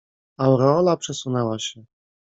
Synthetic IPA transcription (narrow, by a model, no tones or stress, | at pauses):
awɾɛɔlapʂɛsunɛwaɕɛ